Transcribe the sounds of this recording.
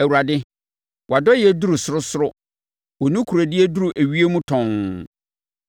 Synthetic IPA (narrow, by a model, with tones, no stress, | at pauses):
æ˨wu˨ɾa˨dɪ˦ | wɔ˨a˨dɔ˦jɪɛ˨du˦ɾu˨sʊ˨˦ɾʊ˦sʊ˦ɾʊ˦ | wɔ˨nũ˦kʰu˨ɾa˨dɪ˦æ˦du˦ɾu˨ʔæ˨ɥi˦e˦mũ˦tʰɔ̃˨ŋ